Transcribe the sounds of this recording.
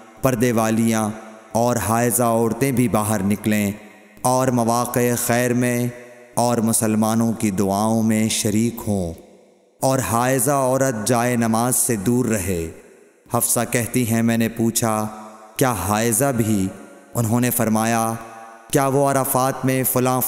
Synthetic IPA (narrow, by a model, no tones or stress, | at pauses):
pɐɾd̪eʋaːlijã | ɔːɾɦaːɪzaɔːɾt̪ẽbʱibaːɦəɾnɪklẽ | ɔːɾmɐʋaːqexɛːɾmẽ | ɔːɾmʊsəlmaːnõkid̪ʊaːõmẽʃɐɾiːkɦõː | ɔːɾɦaːɪzaɔːɾət̪̚d͡ʒaːenɐmaːzsed̪uːɾːɐɦeː | hɐfsakɛɦt̪iɦɛ̃mɛ̃ːnepuːt͡ʃʰakjaːɦaːɪzabʱi | ʊnɦõnefɐɾmaːjakjaːʋoɐɾəfaːt̪mẽfʊlã